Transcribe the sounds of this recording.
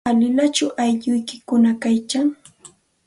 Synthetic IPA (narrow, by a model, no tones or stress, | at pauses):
alɪlat͡ʃʊʔajʎʊjkɪ̥kʊnakajkaŋ